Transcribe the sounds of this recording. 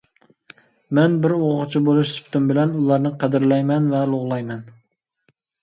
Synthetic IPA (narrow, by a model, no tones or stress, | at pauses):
mɛnbɪɾoʁʁt͡ʃʰibolˠuʃsy̥pt̪ʰɪmbɪlɛnulˠɑɾnɨqʰæd̪ɪɾlɛjmɛnvɛlˠoʁlˠɑjmɛn